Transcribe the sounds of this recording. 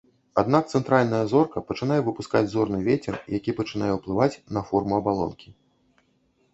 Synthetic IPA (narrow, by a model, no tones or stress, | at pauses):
ad̪nak̚t̪sɛnt̪ɾalʲnɐjɐzɔrkɐpɐt͡ʂɨnajɛvɨpuskad͡zʲzɔrnɨvʲet͡sʲɛrjakʲipɐt͡ʂɨn̪ajɛwplˠɨvat͡sʲnɐfɔrmuɐbalˠɔ̰nkʲi